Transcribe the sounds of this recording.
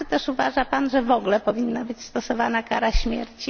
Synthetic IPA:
ɘt̪ɛʂuvaʐapanʐɛvɔɡlɛpɔvʲinːabɘt͡ɕst̪ɔsɔvanakaɾaɕmʲjɛ̰ɾt͡ɕi

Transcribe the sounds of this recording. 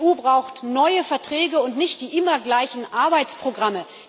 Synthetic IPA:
uːbʁaʊxtnɔʏəfɛɐtʁ̥ɛːɡəʊntnɪçt̚d̥iːʔɪmɐɡlaɪçn̩ʔaɐbaɪt͡spʁ̥oɡʁamə

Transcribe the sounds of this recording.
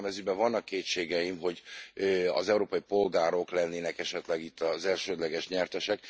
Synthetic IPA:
mɛzybɛvɒnːɒkːeːtt͡ʃeːɡɛjimɦo̞ɟøɒ̰zɛuɾoːpɒjipo̞lɡaːɾo̞klɛnːeːnɛkɛʃɛt̪lɛɡit̪ːɒzɛlʃøːd̪lɛɡɛʃɲɛrt̪ɛʃɛk

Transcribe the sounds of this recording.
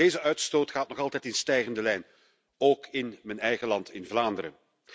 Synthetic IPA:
eːzəʔœɥtstoːtχaːtnɔɣɑlˠtɛjtɪnstɛjɣəndəlɛjn | oːkɪnmənɛjɣəlɑntɪnvlaːndəɾə̰

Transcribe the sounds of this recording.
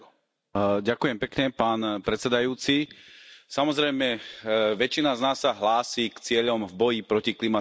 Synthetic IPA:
ɟakujɛmpɛkɲɛpaːnpɾɛt͡sɛd̪ajuːt͡si | samɔzɾɛjmɛʋɛt͡ʃinaznaːsːaɦlaːsiːkt͡sɪɛʎɔmvbɔjipɾɔciklima

